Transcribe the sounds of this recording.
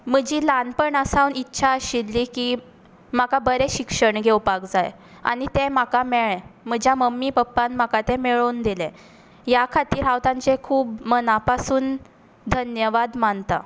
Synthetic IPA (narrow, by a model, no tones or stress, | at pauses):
m̤əd͡ʑiːlanpəɳasawnitːɕʰaəɕilːiːki | makabəɾeɕikʂəɳɡʱewpakd͡za̰j | a̰nit̪ẽmakameɭɛm̤əd͡ʑʱjaməmːipəpːanm̤akat̪ɛ̃meɭond̪ilɛ̃ | jakʰat̪iːɾɦawt̪ãɲt͡sekʰuːb̚mənapasuːn | d̪ʱənjəʋad̪mant̪a̰